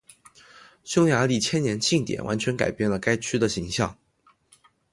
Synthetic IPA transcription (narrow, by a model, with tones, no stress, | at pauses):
ɕjo˥ʊja˧˥li˥˩t͡ɕʰjɛ˥nnjɛ˧˥nt͡ɕʰi˥˩ŋt̪jɛ̰˨˩nwʔa̰˧˥nt͡ɕʰɥɛ˧˥nka̰˨˩ɪpjɛ˥˩nlə˩ka˥ɪt͡ɕʰy˥d̪ə˨ɕi˧˥ŋɕjɑ˥˩ŋ